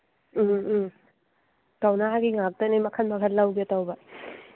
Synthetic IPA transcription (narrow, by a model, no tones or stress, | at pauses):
tawnaɦaɡiŋak̚tɐnimɐkʰɐnmɐkʰɐt̚lawɡitawbɐ